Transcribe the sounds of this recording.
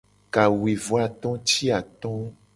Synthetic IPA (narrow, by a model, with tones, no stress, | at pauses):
ka˨we˨vo˨˦a˨t̪ɔ̃˦t͡ʃi˦a˨t̪ɔ̃˦